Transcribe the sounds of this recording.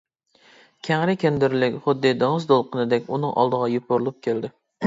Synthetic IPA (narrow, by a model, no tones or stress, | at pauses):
kʲʰæŋɾɪkʲʰend̪ɪɾlɪkʲχʊd̪ːɪd̪ɑŋɨzd̪olˠqʰənɨd̪ɛkʲunɨŋʔɑ̰lˠd̪əʁɑjup̚ʰoɾlˠup̚kʲʰeld̪ɪ